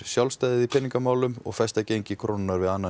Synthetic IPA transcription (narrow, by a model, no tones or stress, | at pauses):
sjawlst̪aːjðɪðipʰɪnːiŋkamaːwlʏmɔ̰ɣfɛst̪acejɲcɪkʰɾownɪnaɾvɪðanːa